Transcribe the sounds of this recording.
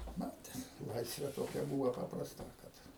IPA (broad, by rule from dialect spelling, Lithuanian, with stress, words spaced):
ˈmɑːtʲɛs ˈlˠɐɪsʲʋʲeː toːˈkʲɛ ˈbuːʋɐ pɐprɐsˈtɐ kɐt